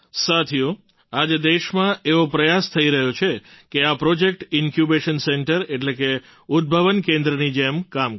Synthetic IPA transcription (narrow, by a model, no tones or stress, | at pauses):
sat̪ʰijo | ad͡ʒd̪eʃmãʔeʋopɾəjast̪ʰəiɾəɦot͡ʃʰekeapɾod͡ʒek̚ʈɪnkjubeʃənseɳʈəɾeʈleke | ʊd̪̚bʱəʋənkẽnd̪ɾənid͡ʒemkam